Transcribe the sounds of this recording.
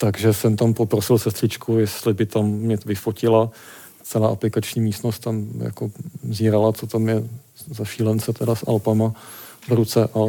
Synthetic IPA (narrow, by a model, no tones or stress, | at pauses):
t̪aɡʒɛsɛmt̪ampo̞pɾosɪlsɛst̪r̥ɪt͡ʃkʰujɛst̪lɪbɪt̪amːɲɛvɪfocɪla | t͡sɛlaːʔaplɪkat͡ʃɲiːmiːst̪nost̪t̪amja̰koziːɾalat͡sot̪amjɛ | zaʃiːlɛnt͡sɛt̪ɛdasʔa̰lpamavɾut͡sɛʔa